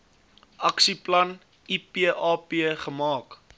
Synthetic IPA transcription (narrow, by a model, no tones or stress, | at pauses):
ʔɐksiplɐn | ipiəʔɑːpiəχəmɑːk